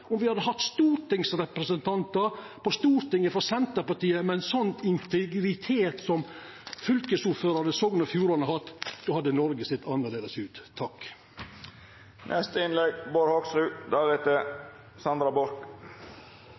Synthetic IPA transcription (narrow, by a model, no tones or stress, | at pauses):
ɔmʋɪhɑd̪ːəɦɑt̪ːst̪uːɾt̪ɪŋsɾɛpɾəsənt̪ʰɑnt̪ɑɾ | pɔst̪uːɾt̪ɪŋːəfɔɾsɛnt̪əpɑʈiːəmɛnsɔnt̪ɪnt̪ʰɛɡɾɪt̪ʰeːt̪sɔm | fʏlkəsuːɾføːɾɑnəsɔɡnɔfjuːɾɑnəhɑt̪ːd̪oːhɑd̪ːənɔɾɡəsɪt̪ʰːɑnːəd̪eːləsʉːt̪ʰːɑk | nʔɛst̪əɪnlɛɡboːɾhɔksɾʉd̪ɑːʋɪt̪ə | sɑnd̪ɾɑbɔɾk